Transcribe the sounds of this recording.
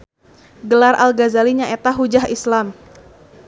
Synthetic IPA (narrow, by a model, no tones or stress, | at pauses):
ɡəlarʔa̰lɡazaliɲaet̪aɦud͡ʒaɦislam